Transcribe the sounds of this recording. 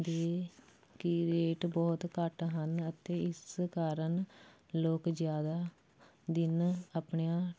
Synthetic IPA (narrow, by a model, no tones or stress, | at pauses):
d̪eː | kɪɾeːʈbɔːt̪kəʈɦənət̪eːɪskaːɾən | loːkd͡ʒjaːd̪aː | d̪ɪnapɳejãː